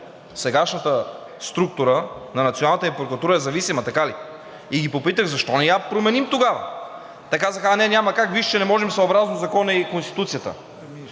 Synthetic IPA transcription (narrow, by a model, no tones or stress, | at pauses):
sɛɡaʃnət̪ə | st̪ɾuk̚t̪ʊɾənɐnɐt̪ionalˠnət̪impɾokɾt̪uɾəɛzɐvisimɐt̪ɐkali | iɡipopit̪əɣzɐʃt̪ɔnɛjapɾomɛnimt̪oɡavə̰ | t̪ɛkazəxanɛnʲamɐkakviʃt͡ʃɛnɛmɔʒɛmsoːbɾaznozɐkɔnɐikonst̪i̥t̪ut̪sijət̪ə̰